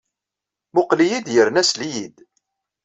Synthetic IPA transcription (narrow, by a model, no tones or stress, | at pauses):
mʊqlijid̪jəɾnæslijid̪